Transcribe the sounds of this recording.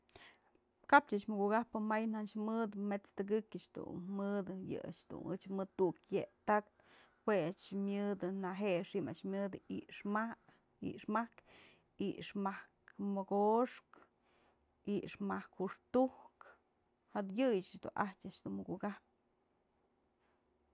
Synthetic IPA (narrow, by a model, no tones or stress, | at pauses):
kap̚t͡ʃaʔt͡ʃmɨɡuɡahpɨmajnat͡ʃmɨd̪ɨmet͡st̪ɨɡɨkʲɨt͡ʃd̪ṵnmɨd̪ɨjɨ̰a̰t͡ʃd̪ṵnɨ̰t͡ʃmɨt̪ukjeʔt̪ak̚t̪ | weat͡ʃmʲɨd̪ɨnaɦeʔʂiʔma̰ʔt͡ʃmʲɨd̪ɨiʔʂma | ḭʔʂmahk | ḭʔʂmahkmoɡoʂk | iʔʂmahkhuʂt̪uhk | had̪jɨjɨt͡ʃat͡ʃd̪ṵnʔahtʲaʔt͡ʃd̪unmɨɡuɡahp̚ɨ